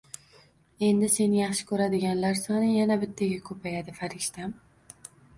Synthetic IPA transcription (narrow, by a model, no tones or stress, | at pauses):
e̞nd̪ɪse̞nɪjɑχʃɪ̥kʰʲɵɾad̪ɪɡʲanlaɾsɒnɪjanabɪt̪ʰːaɡʲakʰɵpʰajad̪ɪfaɾɪʃt̪am